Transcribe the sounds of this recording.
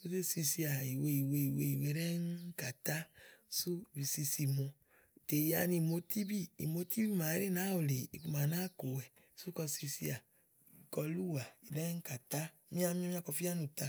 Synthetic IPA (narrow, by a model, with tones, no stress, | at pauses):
u˦se˦si˧si˧a˨i˨we˧i˨we˧i˨we˧i˨we˨˦ɾɛ˦ŋ˦ka˨ta˦su˦˨bi˨si˧si˧mo˨˧˨ | te˨ja̰˧ni˧˨mo˧˦ti˦bi˦ḭ˨mo˧˦ti˦bi˦ma˨˦ɾe˦na˨˦o˨le˨i˨ku˧˦ma˨na˦ko˨wɛ˨ | su˦kɔ˧si˧si˧˦a˨ | i˨kɔ˧lu˦wa˨i˨ɾɛ˦ŋ̩˦ka˨ta˦mĩ˦a˧mĩ˦a˦mĩ˦a˦˧kɔ˧fi˦a˦nu˨ta˧